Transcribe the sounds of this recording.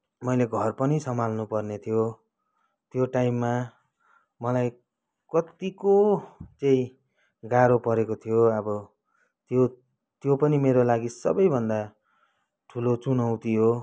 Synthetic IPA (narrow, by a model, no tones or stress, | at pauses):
mʌjleɡʱʌrpʌnisʌmalnupʌrnet̪ʰijo | t̪joʈajmːa | mʌlaj | kʌt̪ikot͡saĩ | ɡaɾopʌɾekot̪ʰijoʌbʌ | t̪jo | t̪jopʌnimeɾolaɡisʌ̰bʌjbʱʌnd̪a | ʈʰulot͡sunʌwt̪iɦo